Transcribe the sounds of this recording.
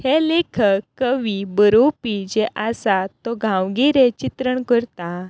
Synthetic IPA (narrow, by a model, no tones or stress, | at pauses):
helekʰəkːəʋibəɾopid͡ʑeʔasat̪ːɔɡʱãwɡiɾet͡ɕit̪ɾəɳkəɾt̪a